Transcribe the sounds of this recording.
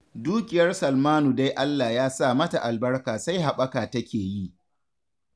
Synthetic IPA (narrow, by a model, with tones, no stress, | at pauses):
duː˦kʲɪ˨jɐ˦rsɐ˨lmaː˦nu˨da˦jʔa˦lːaː˨jaː˦saː˦˨mɐ˦ta˨ʔa˨lbɐ˦rkaː˨sa˦jɦa˨ɓɐ˦kaː˨tɐ˦kʲeː˨ji˦ʔ